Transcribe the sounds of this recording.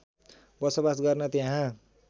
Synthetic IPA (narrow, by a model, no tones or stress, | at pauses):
bʌsʌbasɡʌrnʌt̪eɦã